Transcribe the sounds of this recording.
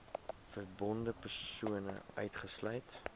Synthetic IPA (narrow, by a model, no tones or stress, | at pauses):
fərbɔndəpərsuənə̰ʔœɥtχəslœjt